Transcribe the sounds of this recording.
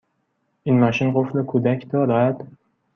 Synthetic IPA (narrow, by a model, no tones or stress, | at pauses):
ʔiːnmɒʃinɢoflekʰud̪æcʰd̪ɒːɾɒæd̪̥